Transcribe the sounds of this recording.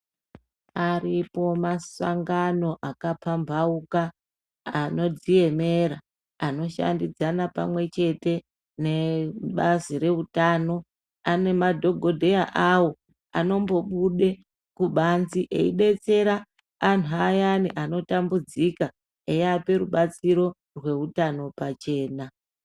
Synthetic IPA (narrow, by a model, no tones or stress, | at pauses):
aripo̞masaŋɡano̞ʔakapʰambʱaukaː | no̞d͡zije̞me̞ɾa | ano̞ʃa̰ndid͡zanapa̰mwe̞t͡ʃe̞te̞ | ne̞ɓaziɾe̞utaːno̞ | ane̞madʱo̞ɡʱo̞dʱe̞jaʔawo̞ | a̰no̞mbo̞ɓuɗe̞ | kuɓanziʔe̞̰iɗe̞t͡se̞ɾaː | n̤uajaniʔano̞tambud͡zika | ejape̞ɾuɓat͡siɾo̞ | rwe̞utano̞pat͡ʃe̞ːna